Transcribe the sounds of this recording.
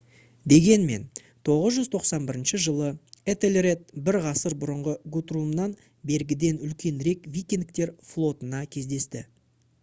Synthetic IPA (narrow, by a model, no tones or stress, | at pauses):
d̪e̞ɡʲe̞nme̞̰n | t̪ʰo̞ʁəzʒʏzt̪ʰo̞qsɑnbɪɾɪnʃɪʒəlˠəet̪elʲre̞t̪̚bɪɾʁɑsəɾbʊɾəɴʁəɡut̪rumnɑn | be̞ɾɡʲɪd̪e̞nʏlkʲe̞nɾe̞kvijkʲend̪ɪk̚t̪e̞ɾflˠo̞t̪ənɑkʲʰe̞zd̪e̞st̪ɪ